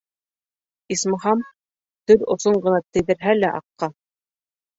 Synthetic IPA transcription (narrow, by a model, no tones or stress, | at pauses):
ismɤ̆ɦɑm | t̪ɵɾŏ̰soɴɢɤ̆nɑt̪ɘ̆jðɘ̆ɾɦælæʔɑ̰qːɑ